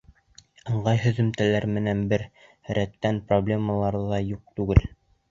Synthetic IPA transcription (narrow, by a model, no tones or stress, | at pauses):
ɤ̆ɴɢɑjɦɵ̆ðɘ̆mt̪ælæɾmɘ̆nænbɘɾ | ɾæt̪ːænproblʲe̞məlˠɑɾðɑjuq̚t̪ʉɡɘl